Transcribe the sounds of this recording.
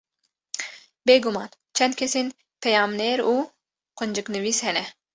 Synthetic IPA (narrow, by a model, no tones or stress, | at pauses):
beɡumɑːn | t͡ʃʰɛnd̪̚kʰʲesin | pʰejɑːmneːɾu | qond͡ʒɨknɨviːshɛnɛ